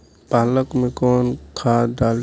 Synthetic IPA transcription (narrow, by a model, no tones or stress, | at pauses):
paːləkmẽkɔːnkʰad̪aːl